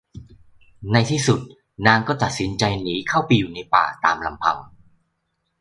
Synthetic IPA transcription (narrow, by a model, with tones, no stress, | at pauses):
na˧jt̪ʰiː˥˩su˨˩t̪̚ | naː˧˥ŋkɔː˥˩t̪a˨˩t̪̚si˨˦nt͡ɕa˧jniː˦˥kʰa˥˩wpa˧jːuː˨˩na˧jpa̰ː˨˩t̪aː˧mla˧mpʰa̰˧w